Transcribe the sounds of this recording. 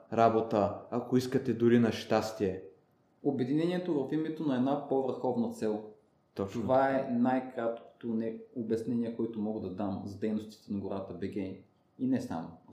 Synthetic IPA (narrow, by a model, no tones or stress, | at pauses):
ɾabot̪əɐkoiskət̪ɛd̪ʊɾinɐʃt̪ast̪iɛ | obɛd̪inɛnʲiɛt̪ovɐfimɛt̪onɐɛd̪napovəɾxɔvnɐt̪sɛlˠ | t̪ɔt͡ʃt̪ovaɛnajkɾat̪ko̥t̪onɛobɐsnɛniɛkoit̪ʊmɔɡəd̪ɐd̪amzɐd̪ɛjnost̪i̥t̪ɛnɐɡoɾat̪əbɛɡɛ | inɛsa̰mo̰